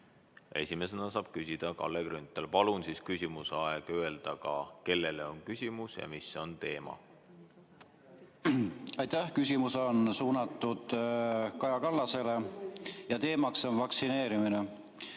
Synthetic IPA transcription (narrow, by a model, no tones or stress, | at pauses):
e̞̰sʲime̞senɑsɑːb̥̚kysʲid̪̥ɑkɑ̰lːeɡɾynt̪ːˑelpɑlunsiskysʲimuseɑeɡ̥ye̞ld̪̥ɑkɑke̞lːe̞leo̞nkysʲimusjɑ̰misːo̞nt̪e̞ːmɑ̰ | ɑjt̪æhkys̬ʲimusonsuːnɑt̪ːˑud̪̥kɑjɑkɑlːɑse̞le̞jɑt̪e̞ːmɑkso̞nvɑksine̞ːɾimine̞